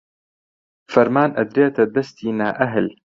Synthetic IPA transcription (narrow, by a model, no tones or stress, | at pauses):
fɐɾmaːnʔɐd̪ɾeːt̪ʰɐd̪ɐst̪ʰiːnaːʔɐɦɨl